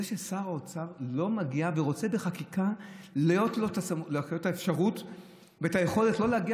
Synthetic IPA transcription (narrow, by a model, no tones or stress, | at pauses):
eʃe̞saʁaot͡saʁlo̞maɡiaveʁo̞t͡se̞beχakikalejo̞tlotasamolootːaefʃaʁut | veetaje̞χo̞le̞tlo̞leaɡia